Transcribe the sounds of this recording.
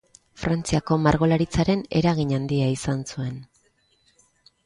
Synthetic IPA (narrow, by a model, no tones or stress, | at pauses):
fɾant͡siako̞maɾɣo̞laɾit͡saɾe̞ne̞ɾaɣiɲand̪iaisansue̞n